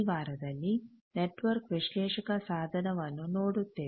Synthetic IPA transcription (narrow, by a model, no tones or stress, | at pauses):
ʋaːɾɐd̪ɐlːi | neʈʋɐɾkʋiʃlɛːʃɐkɐsaːd̪ʱɐnɐʋɐnːunoːɽut̪ːe